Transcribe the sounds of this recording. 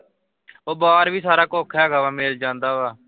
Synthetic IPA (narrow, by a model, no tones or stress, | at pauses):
oːbaːɾʋiːsaːɾaːkoːkʰɛːɡaːʋaːmɪld͡ʒãːnd̪aːʋaː